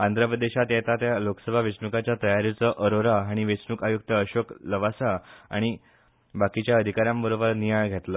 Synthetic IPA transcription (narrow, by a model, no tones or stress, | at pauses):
and̪ɾəpɾəd̪eɕat̪jet̪at̪jalokə̥səbʱaʋesnukat͡ɕjat̪əjaɾit͡səʔəɾoɾaːɽ̃iʋesnukajuk̚t̪əːɕokləʋasaa̰ɽ̃i | bakit͡ɕjaəd̪ʱikaɾjãmbəɾobəɾnijajɡʱet̪lə